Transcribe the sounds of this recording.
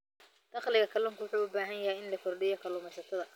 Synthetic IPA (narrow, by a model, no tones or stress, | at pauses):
d̪̥ɐχlɪɣɐkʰɐlɔːŋkʰwʊħuːʊbaːɦɐnjɐhɛjɪnlɐkʰɔrɖɪjɔkʰɐlʊːmɛjsɐt̪ʰɐðɐ